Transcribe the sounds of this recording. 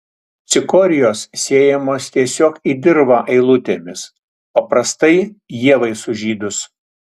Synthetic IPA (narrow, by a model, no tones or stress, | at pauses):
t̪sʲɪkɔːɾʲɪjoːssʲeːjɛmoːst̪ʲiɛsʲoːkid̪ʲɪɾbɐʔɐɪlˠʊt̪ʲeːmʲɪs | pɐpɾɐst̪ɐɪjiɛʋɐɪsʊʒʲiːd̪ʊs